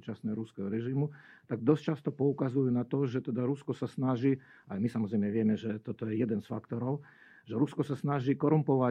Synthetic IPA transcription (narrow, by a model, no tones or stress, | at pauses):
uːt͡ʃasnɛːɦɔɾuskɛɦɔɾɛʒimut̪aɡ̚d̪ɔst͡ʃast̪ɔpɔukazujunat̪ɔʒɛt̪ɛd̪aɾuskɔsasnaʒiː | ajmisamɔzɾɛjmɲɛʋɪɛmɛʒɛt̪ɔt̪ɔjɛjɛd̪ɛnsfakt̪ɔɾɔʊ | ʒɛɾuskɔsasnaʒiːkɔɾumpɔʋa